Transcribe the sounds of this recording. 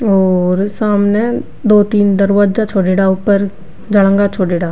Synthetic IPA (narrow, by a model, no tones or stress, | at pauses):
oːɾsaːmneː | d̪oːt̪iːnd̪əɾʋaːd͡ʒaːt͡ʃʰoːɖeːɽaːʊpːəɾ | d͡ʒəɽə̃ŋɡaːt͡ʃʰoːɖeːɽaː